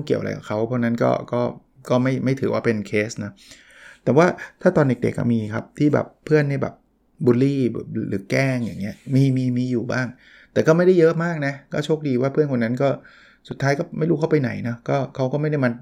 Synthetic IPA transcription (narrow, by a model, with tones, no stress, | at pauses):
ki˨˩əwʔa̰˧jka̰˨˩kʰa˦˥wpʰɔ˦˥˩na˦˥nkɔ̰ː˥˩kɔː˥˩ | kɔː˥˩ma˥˩jma˥˩jt̪ʰɯː˩˦waː˥˩pe˧nkʰeː˦˥snɔ˦˥ | t̪ɛː˨˩waː˥˩t̪ʰaː˥˩t̪ɔː˧nde˨˩k̚dḛ˨˩k̚ːa̰˧˥˩miː˧kʰa˦˥p̚t̪ʰiː˥˩bɛ̰˨˩pʰːɯ˥˩ənːa˥˩jbɛ̰˨˩p̚ | buː˧lḭː˥˩˨ɾɯ̰ː˨˩˦kɛː˥˩ŋja̰˨˩ŋːi˦˥ɐmiː˧miː˧miː˧juː˨˩ba̰ː˥˩ŋ | t̪ɛː˨˩kɔː˥˩ma˥˩jda˥˩jɤ˦˥ʔmaː˥˩k̚na˦˥kɔː˥˩t͡ɕʰoː˥˩k̚diː˧waː˥˩pʰɯ˥˩ənkʰo˧nːa˦˥nkɔː˥˩ | su˨˩t̪ʰːaː˦˥jkɔː˥˩ma˥˩jɾuː˦˥˩a˥˩pa˧jna̰˩˦jnɔ˦˥kɔː˥˩kʰa˦˥wkɔː˥˩ma˥˩jda˥˩jma˧n